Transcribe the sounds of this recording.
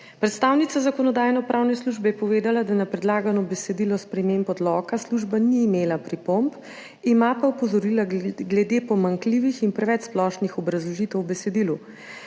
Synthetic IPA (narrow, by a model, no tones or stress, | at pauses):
pɾɛt̪st̪aːwnit̪sazakɔnɔd̪aːjnɔpɾʔaːwnɛsluʒbɛjɛpɔʋeːd̪alad̪anapɾɛd̪laːɡanɔbɛsɛd̪iːlɔspɾɛmeːmpɔd̪lɔkasluʒbaniːmeːlapɾipomp | imapaupɔzɔɾiːlaɡlɛd̪epɔmaŋkliːʋixinpɾɛʋɛt͡ʃsplɔːʃnixɔbɾɐzlɔʒit̪ɛwbɛsɛd̪ilu